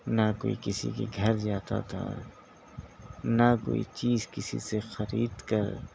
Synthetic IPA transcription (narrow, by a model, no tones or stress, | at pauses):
nakoːikɪsikiɡʱɐɾd͡ʒaːt̪a̰t̪ʰa̰ | nako̰ːit͡ʃiːzkɪsḭsexɐɾiːd̪kɐɾ